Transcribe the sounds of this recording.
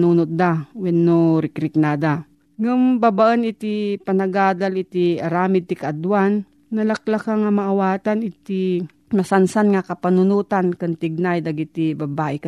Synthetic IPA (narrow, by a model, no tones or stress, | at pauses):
nuːnʊt̪̚d̪awɛnːoɾɪkɾɪk̚nad̪a | ŋʊmbabaʔənɪt̪ipɐnɐɡaːd̪alɪt̪ɪɐɾaːmɪd̪̚t̪ɪkɐad̪wanː | ɐlɐk̚lakaŋamɐʔːwaːt̪anɪt̪i | mɐsansanŋakɐpɐnʊnuːt̪ankʊnt̪ɪɡ̚najd̪ɐɡɪt̪ibɐbaːʔɪk